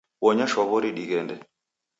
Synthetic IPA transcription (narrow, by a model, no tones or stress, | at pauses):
wɔɲaʃɔβɔɾiɗiɣɛndɛ